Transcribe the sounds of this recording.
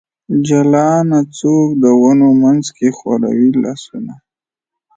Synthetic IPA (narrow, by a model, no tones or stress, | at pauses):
d͡ʒalɑnat͡sok̚d̪əwanomanzkexwa̰ɾa̰wilɑ̰ːsuna